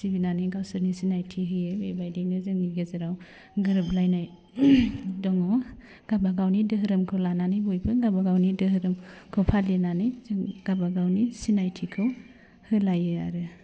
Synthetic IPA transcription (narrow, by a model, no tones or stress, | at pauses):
sibinanɯjɡawsɯɾnisinajtʰiɦɯjɯbebajdejnɯzɯŋːiɡezɯɾaw | ɡɯɾɯp̚lajnaj | dɔŋɔ | ɡ̥abaɡawnidɯɦɯɾɯmkʰɯwlananɯjbojbɯɡabaɡawnidɯɦɯɾɯmkʰɯwpʰalenanɯjzɯŋɡ̥abaɡawnisinajtʰikʰɯw | hɯlajɯa̰ɾɯ